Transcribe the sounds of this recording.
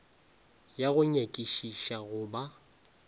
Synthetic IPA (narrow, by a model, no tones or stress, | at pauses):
jaɣʊɲekʼiʃiʃaɣʊba